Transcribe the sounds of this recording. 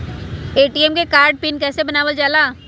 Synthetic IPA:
eːʈiːɛmkekaːɾɖ̚pɪnkɛːsebɐnaːʋəld͡ʒaːlaː

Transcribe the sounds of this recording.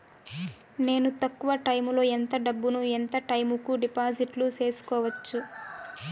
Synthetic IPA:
ne̞ːnut̪ɐkːuʋɐʈɐjmlo̞ːent̪ɐɖɐbːunuent̪ɐʈɐjmukuɖipaːd͡ʒiʈlut͡ʃe̞ːsu̥kɔːʋɐt͡ʃːu

